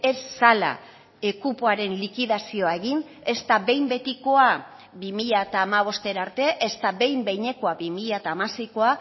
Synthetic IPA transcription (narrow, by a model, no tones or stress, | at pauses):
e̞sːala̰ | e̞kupoaɾe̞nlikiðasio̞ae̞ɣin | e̞st̪aβe̞jmbe̞t̪iko̞a | bimiʎaet̪aːmaβ̞o̞st̪e̞ɾaɾt̪e̞ʔest̪aβe̞jmbe̞jɲe̞ko̞aβimiʎaet̪aːmase̞jko̞a